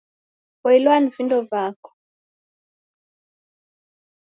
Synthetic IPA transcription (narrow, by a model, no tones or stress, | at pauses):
ɔilwanivindɔvakɔ̥